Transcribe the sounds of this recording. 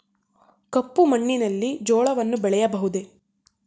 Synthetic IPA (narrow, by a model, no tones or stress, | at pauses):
kɐpːumɐɳːinɐlːid͡ʒɔːɭɐʋɐnːubɛɭɛjɐbɐɦud̪e̞